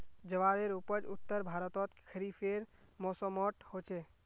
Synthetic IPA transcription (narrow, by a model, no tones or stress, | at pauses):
d͡ʒəʋaɾeɾupəd͡ʒut̪ːəɾbʱaɾət̪ɔt̪kʰəɾipʰeɾmɔsɔmɔʈhot͡ʃʰe